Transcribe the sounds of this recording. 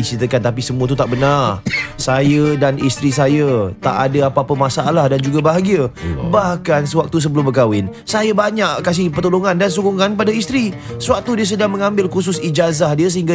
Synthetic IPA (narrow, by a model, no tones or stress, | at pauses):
it͡ʃit̪əkant̪ap̬isəmũət̪̬ut̪aʔbənarsajədanist̪ɾisajət̪a̰ʔadəapaːpəmasaʔalahdand͡ʒuɡabaɦaɡiəbahkansəwak̚t̪us̬əbəlʊmbəkawɪn | sajabaɲaʔkas̬ɪhpərt̪oloŋãndans̬ukuŋanpadaist̪ɾi | səwak̚t̪udiəs̬ədaŋmə̃ŋãmbɪlkus̬ʊsid͡ʒazahdiəs̬əɦiŋɡa